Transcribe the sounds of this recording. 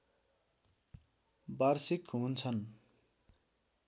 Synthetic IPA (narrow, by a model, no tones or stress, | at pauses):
barsikɦunt͡sʰʌn